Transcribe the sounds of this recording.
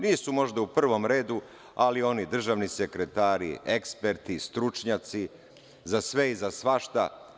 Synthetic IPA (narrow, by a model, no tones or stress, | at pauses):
niːsumo̞ʒd̪aupr̩ʋo̞mɾe̞ːd̪u | alio̞nid̪r̩ʒaʋnisekɾet̪aːɾḭekspeɾt̪ist̪ɾut͡ʃɲat̪si | zasʋe̞izasʋaʃt̪a̰